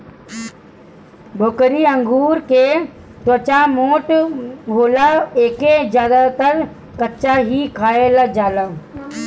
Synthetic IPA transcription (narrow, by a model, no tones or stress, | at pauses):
bʱokɾiə̃ŋɡuːɾke | t̪oːt͡ʃamoːʈɦoːlaeːked͡ʒjaːd̪at̪əɾ | kətːʃaɦikʰaːelad͡ʒaːla